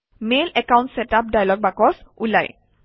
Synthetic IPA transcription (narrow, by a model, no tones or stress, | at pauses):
melɛkaʊntsɛtap̚dajlɔɡ̚bakɔsula̰j